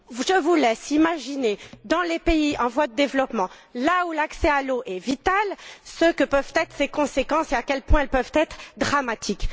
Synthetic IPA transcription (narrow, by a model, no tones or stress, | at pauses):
ʒəvulɛsimaʒined̪ɑ̃lepeiʔɑ̃vwad̪əd̪evlɔpmɑ̃laulaksɛaloʔɛvit̪alsəkəpœvt̪ɛt̪χsekɔ̃sekɑ̃seakʲɛlpwɛ̃ɛlpœvt̪ɛt̪χd̪ʁamat̪ʰik